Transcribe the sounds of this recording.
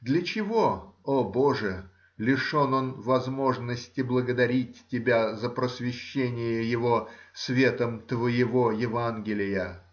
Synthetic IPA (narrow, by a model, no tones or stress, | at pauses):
d̪lʲət͡ɕɪvo̞obo̞ʐɨ | lʲɪʂo̞no̞nvɐzmo̞ʐnəsʲtʲɪblˠəɡəd̪ɐɾʲit̚ʲtʲːɪbʲazəpɾəsvʲɪɕːenʲɪjəjɪvosvʲe̞t̪əmt̪vəjɪvo̞jɪvanɡʲɪlʲɪjə